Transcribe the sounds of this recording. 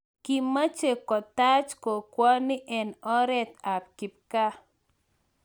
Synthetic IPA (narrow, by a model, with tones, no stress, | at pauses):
ki˨mːa˦t͡ʃe˨kɔ˨t̪a˦t͡ʃko˨kwɔ˦nɪ˦ʔɛ˨nɔ˦ɾɛ˦t̪a˨p̚ki˨p̚ka˦